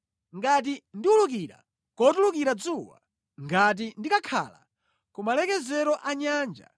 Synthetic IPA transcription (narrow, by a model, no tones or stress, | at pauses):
ŋɡat̬indiuluk̬iɾa̰ | kɔtulukiɾad͡zuwa̰ | ŋɡat̬indikakʰa̰la̰ | kumalɛkɛzɛɾɔʔaɲaːnd͡ʒa̰